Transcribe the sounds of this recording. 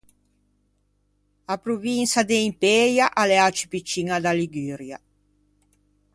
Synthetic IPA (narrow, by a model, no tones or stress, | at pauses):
apɾuvinsad̪eimpeɾjaʔaleat͡ʃi̥pit͡ʃiŋad̪aliɡyːɾja